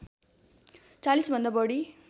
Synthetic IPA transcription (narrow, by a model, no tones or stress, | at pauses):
t͡salisbʱʌnd̪abʌɽi